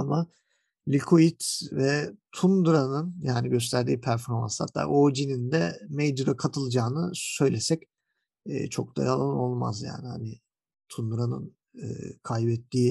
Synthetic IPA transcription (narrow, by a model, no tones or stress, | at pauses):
ama | lʲikʰoit̪vɛt̪ʰund̪uɾanɯnjaːniɟø̞s̬t̪ʰæɾd̪iːpʰæɾfo̞ɾma̰nsha̰t̪ʰːa̰ːʔoːd͡ʒinind̪ɛmejd͡ʒuɾakʰat̪ʰɯlˠd͡ʒaːnɯsø̞jlʲesɛc | ɛ̰ːt͡ʃʰo̞̰k̚d̪ʰa̰jalˠanno̞lˠma̰zja̰ːnɪha̰nɪ | t̪ʰund̪uɾanɯ̰n | ɯ̰ːkʰajbɛt̪ːiː